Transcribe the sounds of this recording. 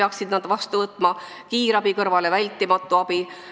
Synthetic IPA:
eɑksid̪̥nɑd̪̥vɑst̪uvɤt̪ːˑmɑ | kiːɾɑbikɤrvɑlevælʲt̪ːˑimɑt̪ːˑuɑb̥i

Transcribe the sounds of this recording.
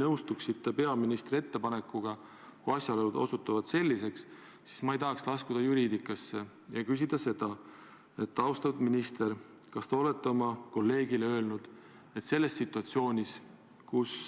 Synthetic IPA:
nɤwst̪uksit̪ːepe̞ɑminist̪ɾie̞t̪ːe̞pɑne̞kːuɡ̥ɑ | kuɑsʲjɑlolud̪̥o̞̰sut̪ːˑɑvɑd̪̥se̞lʲːise̞ks | si̥smɑejt̪ɑɦɑkslɑskud̪̥ɑjuɾiːd̪ikːˑɑsːe̞ | jɑkys̬id̪̥ɑse̞d̪̥ɑ | e̞t̪ːɑwst̪ɑud̪̥minist̪eɾ | kɑst̪eo̞let̪ːeo̞mɑko̞lːe̞ːɡ̥ileø̞ːlnud̪̥ | e̞t̪se̞lːe̞st̪ːsit̪ːˑuɑt̪sio̞ːnʲis | kus

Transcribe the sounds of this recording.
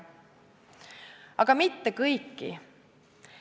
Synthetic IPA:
ɑ̰ɡ̥ɑmit̪ːekɤjkːḭ

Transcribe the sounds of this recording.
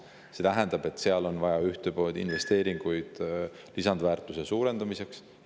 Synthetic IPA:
se̞t̪æɦɛnd̪̥ɑb̥e̞t̪ːˑseɑlo̞nvɑjɑyht̪e̞po̞ːld̪̥ḭnve̞st̪e̞ːɾiŋɡ̥ujd̪̥ | lisɑnd̪væːrt̪ːˑuse̞suːɾe̞nd̪̥ɑmise̞ks

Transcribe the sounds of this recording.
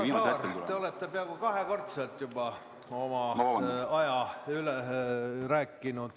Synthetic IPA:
iːmɑreṵt̪eo̞let̪ːepeɑɡ̥ukɑɦeko̞rt̪selt̪jub̥ɑ | o̞mɑɑjɑyleræːkːinud̪̥

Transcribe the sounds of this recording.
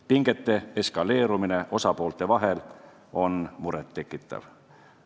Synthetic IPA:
piŋɡ̥et̪ːe̞eskɑle̞ːɾumine̞ʔo̞sɑpo̞ːlt̪e̞vɑɦe̞l | o̞nmuɾet̪ːe̞kːˑit̪ːˑɑ̰v

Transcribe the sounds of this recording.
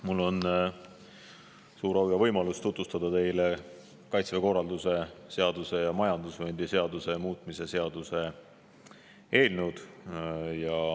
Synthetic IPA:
mulːo̞n | suːɾɑwjɑvɤjmɑlust̪ut̪ːˑvust̪ɑd̪ɑt̪e̞jle | kɑjt̪sveko̞rːɑld̪use̞se̞ɑd̪̥use̞jɑmɑjɑnd̪usvend̪ise̞ɑd̪use̞muːt̪ˑmise̞se̞ɑd̪̥use̞ | e̞ːlnwd̪̥ | jɑ

